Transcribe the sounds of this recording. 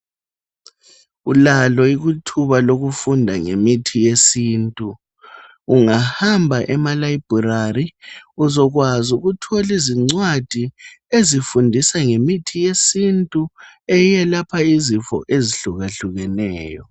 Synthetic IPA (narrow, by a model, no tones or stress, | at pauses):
ulalɔiɣutʰuβaloɣufundʱaŋḛmitʰijesiːntʼuː | ŋahambʱaʔɛmalaib̥ʱurariuzɔɣwazuɣutʰɔliziŋ͡ǀwad̥ʱi | ezifundʱisaŋemitʰijesintʼuɛjɛlapʰaizifɔ̰ʔeziɬuɣaɬuɣɛnɛːjɔ